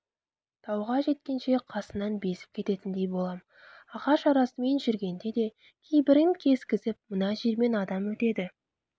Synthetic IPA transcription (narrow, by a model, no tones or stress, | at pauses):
t̪ʰɑwʁɑʒe̞t̪̚kʲe̞nʃe̞qʰɑsənɑnbe̞sɪ̥p̚kʲʰe̞t̪e̞t̪ɪnd̪e̞jbo̞lˠɑm | ɑʁɑʃɑɾɑsəme̞nʒʏɾɡʲe̞nd̪e̞d̪e̞ | kʲʰejbɪɾɪŋkʲʰe̞zkʲɪzɪp̚mənɑʒeɾme̞nɑd̪ɑmwɵt̪e̞d̪ɪ